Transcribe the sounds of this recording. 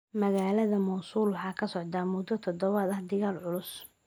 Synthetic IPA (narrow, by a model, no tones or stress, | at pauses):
mɐɣaːlɐðɐmɔwsuːlwħɑːkʰɐsɔʕd̪aːmʊd̪ɔt̪ʰɔd̪ɔβɐðɐhd̪ɪɣaːlʕʊlʊs